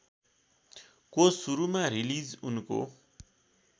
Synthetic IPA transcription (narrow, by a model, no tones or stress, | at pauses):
kosuɾumaɾilid͡zunko̰